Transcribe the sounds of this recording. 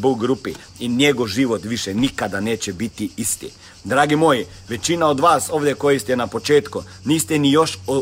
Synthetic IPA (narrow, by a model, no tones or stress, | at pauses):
buɡɾupi | injeɡoʋʒiʋot̪ʋiʃɛnikad̪ane̞ːt͡ɕebit̪iist̪ḭ | d̪ɾaːɡimo̞ji | ʋe̞t͡ɕinao̞d̪ʋaːso̞ːʋd̪ʲjekojist̪ɛnapo̞t͡ʃeːt̪ku | niːst̪ɛnijoʃ